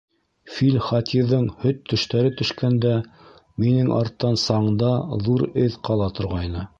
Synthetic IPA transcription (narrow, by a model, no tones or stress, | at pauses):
filʲχɑt̪ʰiðɤɴhɵt̪ʰːɵ̆ʃt̪æɾɘt̪ɵ̆ʃkænd̪æ | minɘŋʔɑ̰ɾt̪ːɑnsɑɴd̪ɑðuɾɘðqɑlˠɑt̪ŏɾʁɑjnɤ